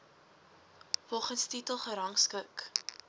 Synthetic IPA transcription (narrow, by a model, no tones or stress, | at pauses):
fɔlˠχənstitəlˠχəɾɐŋskək